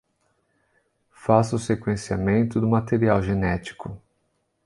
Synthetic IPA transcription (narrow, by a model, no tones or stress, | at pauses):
fasʊsekwẽsiamẽnt̪ʊd̪ʊmat̪eɾiawʒenɛt͡ʃi̥kʊ